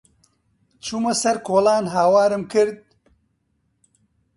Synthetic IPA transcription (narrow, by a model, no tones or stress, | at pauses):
t͡ʃʰuːmɐsɐɾkʰoːlaːnɦaːwaːɾɨmkɨɾd̪̚